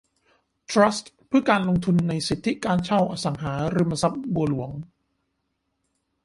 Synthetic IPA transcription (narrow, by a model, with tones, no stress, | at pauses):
t̪ʰɾa˦˥st̪ | pʰɯ˥˩kaː˧nlo˧ŋt̪ʰu˧nːa˧jsi˨˩t̪ʰːi˦˥kaː˧nt͡ɕʰa˥˩wʔaː˧sa˨˩˦ŋɦaː˩˦ɾɯ˧ma˧sa˦˥p̚bu˧ɐlu˩˦əŋ